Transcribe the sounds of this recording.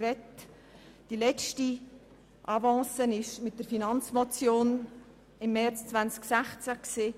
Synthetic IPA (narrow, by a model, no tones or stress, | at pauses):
rɛt | d̥ilɛt͡ʃti | ʔɑvɑ̃ːsənɪʃmɪt̚d̥əɾfinɑnt͡smot͡sjoːn | ɪmːɛrt͡st͡svant͡sksæχt͡sækseː